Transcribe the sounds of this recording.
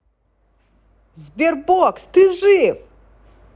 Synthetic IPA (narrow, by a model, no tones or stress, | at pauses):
zbʲerbokst̪ɨʒɨv